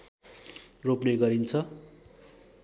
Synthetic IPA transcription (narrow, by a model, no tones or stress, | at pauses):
ropneɡʌɾint͡sʰʌ